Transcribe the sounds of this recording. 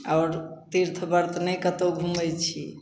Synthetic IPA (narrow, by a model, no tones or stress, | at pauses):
aːɾt̪iɾt̪ʰbəɾt̪ʰnəjkət̪oɡʱumɛjt͡ʃʰi